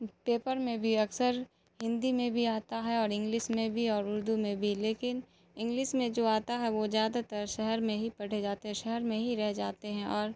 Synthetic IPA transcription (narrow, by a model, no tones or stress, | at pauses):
peːpəɾmẽbʱiɐksəɾ | hɪ̃nd̪imẽbʱiaːt̪aɦɛɔːɾɪ̃ŋɡlɪʃmẽbʱiɔːɾʊɾd̪umẽbʱileːkɪn | ɪ̃ŋɡlɪʃmẽd͡ʒoːaːt̪aɦɛʋozjaːd̪at̪əɾʃɛɦɛɾmẽɦipɐɽ̤ed͡ʒaːt̪eɦɛ̃ʃɛɦɛɾmẽɦiɾɛɦd͡ʒaːt̪eɦɛ̃ʔɔːɾ